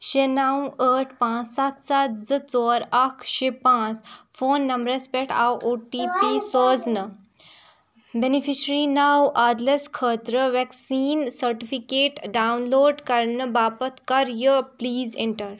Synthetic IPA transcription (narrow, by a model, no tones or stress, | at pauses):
ɕenawəːʈʰpãt͡ssat̪sat̪zət͡sɔːɾɐkʰɕepãt͡sfoːnːɐmbɾespeʈʰaːwoːʈipisɔːd͡znə | benifiɕɾiːnawad̪leskʰəːt̪ɾəʋɛksiːnsəɾʈifikeːʈɖawnloːɖkɐɾnəbaːpət̪ʰkɐɾjəpliːzḛ̃ɳʈəɾ